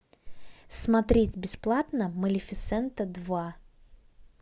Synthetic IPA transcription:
smɐt̪ɾʲetʲbʲɪsplˠat̪nəməlʲɪfʲɪt̪sɛnt̪əd̪va

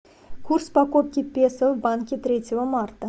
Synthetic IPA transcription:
kʰurspakop̚kʲipʲesəvbaŋkʲɪt̪ɾʲet̪ʲɪvəmart̪ə

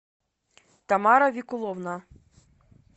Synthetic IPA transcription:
t̪ɐmɑɾɐʋʲikʊlˠɔwna

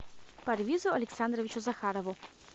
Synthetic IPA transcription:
pɐɾʋʲizʊɐlʲɛksand̪ɾɔʋʲit͡ʃʊzɐxaɾɔʋʊ

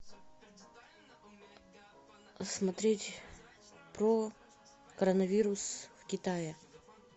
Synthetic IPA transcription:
smɐt̪ɾʲetʲ | pɾo | kəɾənɐvʲiɾʊsfkʲɪt̪ajɪ

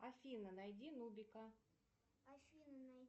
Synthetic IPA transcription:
ɐfʲinənɐjdʲinubʲɪkə

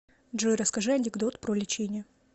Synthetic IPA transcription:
dʐojɾɐskɐʐɨɐnʲɪɡd̪ot̪pɾolʲɪt͡ɕenʲɪə

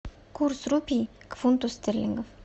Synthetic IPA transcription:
kuɾsɾupʲikfunt̪ost̪ʲeɾlʲḭŋɡof

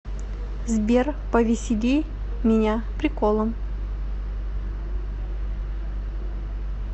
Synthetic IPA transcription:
zbʲerpəvʲɪsʲɪlʲi | mʲɪnʲapɾʲɪkolˠəm

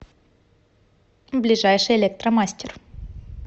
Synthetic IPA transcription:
blʲɪʐajʂɨjɪlʲek̚t̪ɾəmasʲtʲɪr

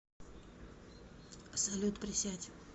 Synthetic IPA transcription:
psɐlʲut̪pɾʲɪsʲat̪ʲ

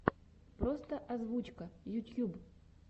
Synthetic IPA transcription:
pɾost̪əʔɐzvut͡ɕkəjʊt̪ʲjub

